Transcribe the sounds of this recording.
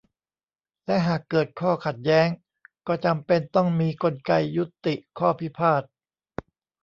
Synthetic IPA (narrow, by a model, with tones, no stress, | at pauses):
lɛ˦˥ʔɦaː˨˩kːɤː˨˩t̪̚kʰɔː˥˩kʰa˨˩t̪̚jɛː˦˥ŋ | kɔː˥˩t͡ɕa˧mpe˧nt̪ɔ˥˩ŋmiː˧ko˧nka˧jːu˦˥t̪ːi˨˩ʔkʰɔː˥˩pʰi˦˥pʰaː˥˩t̪̚